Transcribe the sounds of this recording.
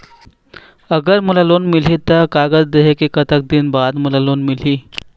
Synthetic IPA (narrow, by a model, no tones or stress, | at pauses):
əɡəɾmulalonmil̤iːt̪əkaɡəd͡zd̪eɦekikət̪ək̚d̪iːnbad̪mulalonmil̤iː